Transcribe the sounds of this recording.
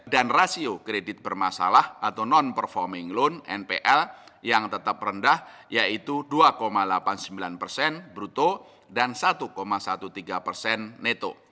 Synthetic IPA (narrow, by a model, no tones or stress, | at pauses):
danrasiokɾedɪt̪̚b̥ərmasa̰lahʔat̪anɔnpərfɔrmɪŋlʊnɛnpeʔɛljaŋt̪ət̪ap̚rəndah | jait̪uduakomalapansəmbilanpərsɛnbɾut̪o | dansat̪ukomasat̪ut̪iɡapərsɛnːet̪o̰